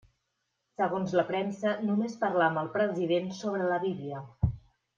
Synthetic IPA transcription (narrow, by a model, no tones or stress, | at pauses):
səɣonzləpɾɛmsənumespərlaməlˠpɾəziðensoβɾələβiβiə